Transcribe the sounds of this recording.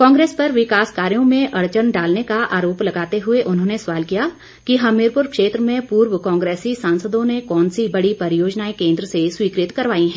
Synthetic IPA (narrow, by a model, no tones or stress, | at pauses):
kɔ̃ːŋɡɾeːspɐɾʋɪkaːskaːɾijõmẽʔɐɽt͡ʃənɖaːlnekaʔa̰ːɾoːplɐɡaːt̪eɦʊeʔʊnɦõːnesʋaːlkija | kiɦɐmɪːɾpʊɾkʃeːt̪ɾəmẽpuːɾwəkɔ̃ːŋɡɾeːsisãːnsəd̪õnekɔːnsibɐɽipɐɾjoːd͡ʒnaːikẽːnd̪ɾəseswiːkɾɪt̪kɐɾʋaːiɦɛ̃ː